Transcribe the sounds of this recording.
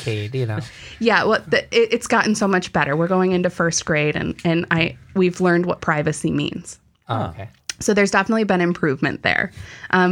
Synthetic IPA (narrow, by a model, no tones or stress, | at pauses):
kʰedjɨnojæwɛlˠðɨɪɾʔɨtsɡ̥ɑʔn̩soʊmʌt͡ʃb̥ɛɾə˞wɪɹɡoʊɪ̃ŋɪ̃ntʉfɜ˞sɡ̥ɹeɪɾɨ̰̃nɨ̃na̰ɪwivlɜ̃˞nd̚wʌt̚pʰɹ̥aɪvɨsimḭ̃nz̥ | o̰kʰeɪ | soʊðə˞zdɛfənətˡlibɨ̃ñɨ̃mpʰɹ̥ʉvmɨ̰̃nðə̰˞ʔʌ̃